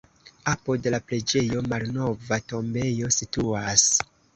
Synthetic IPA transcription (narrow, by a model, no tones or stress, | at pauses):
apodlapɾe̞d͡ʒe̞jo̞malno̞vato̞mbe̞jo̞situas